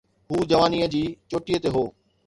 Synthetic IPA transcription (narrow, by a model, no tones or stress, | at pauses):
ɦuːd͡ʑɐʋaːniːəd͡ʑiːt͡ɕoːʈijət̪eɦoː